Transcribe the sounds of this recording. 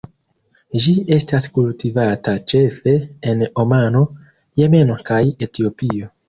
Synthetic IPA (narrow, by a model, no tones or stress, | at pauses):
d͡ʒie̞staskultivatat͡ʃe̞fe̞ːno̞mano̞ | je̞me̞no̞kaje̞tio̞pio̞